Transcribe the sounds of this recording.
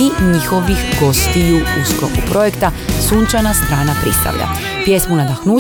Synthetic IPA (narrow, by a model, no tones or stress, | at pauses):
iɲixo̞ʋixɡo̞st̪iʎuusklokupɾo̞je̞kt̪asuːnt͡ʃanast̪ɾaːnapɾḭst̪a̰ʋʎa̰ | pje̞smunad̪axnuː